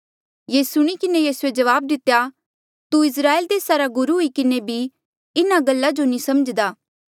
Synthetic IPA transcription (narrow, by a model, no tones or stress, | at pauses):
jeːsʊɽ̃ikɪnejiːsued͡ʒɐʋaːb̚d̪ɪt̪ːja | t̪uɪs̬ɾaːeːld̪eːsaɾaɡʊɾuɦʊikɪnebʱi | ɪnaɡɐlːad͡ʒonĩsɐməd͡ʒd̪aː